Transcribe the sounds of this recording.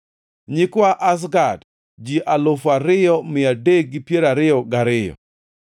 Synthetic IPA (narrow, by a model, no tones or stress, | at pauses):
ɲɪkwaʔas̬ɡad | d͡ʒiʔalofaɾɪjɔmɪadeɡ̚ɡɪpjeɾaɾɪjɔɡaɾɪjɔ̰